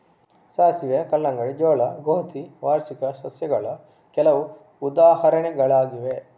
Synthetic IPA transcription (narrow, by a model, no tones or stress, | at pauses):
saːsiʋjɐkɐlːɐŋɡɐɭed͡ʒɔːɭɐɡoːt̪iʋaːɾsikɐsɐsjɐɡɐɭɐ | kɛlɐʋu | ud̪aːɦɐɾɐnɛɡɐɭaːɡiʋe